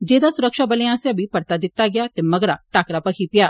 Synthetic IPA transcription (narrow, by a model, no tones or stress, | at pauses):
d͡ʒeːd̪aːsʊɾəkʃaːbəleãːsebʱiːpəɾt̪aːd̪ɪt̪ːaːɡɪaːt̪eːməɡɾaːʈaːkɾaːpəkʰiːpɪjaː